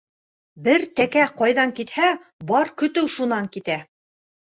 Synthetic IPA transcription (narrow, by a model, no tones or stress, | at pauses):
bɘɾt̪ækæqɑjðɑŋkit̪hæ | bɑɾkɵ̆t̪ɘwʃunɑŋkit̪æ